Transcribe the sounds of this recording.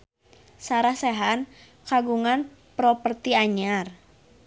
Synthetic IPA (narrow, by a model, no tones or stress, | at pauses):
saɾahsɛɦan | kaɡuŋan | pɾɔpərt̪iaɲar